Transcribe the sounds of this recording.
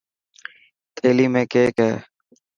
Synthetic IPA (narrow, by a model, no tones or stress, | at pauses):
t̪ʰeːliːmẽːkeːkɦɛː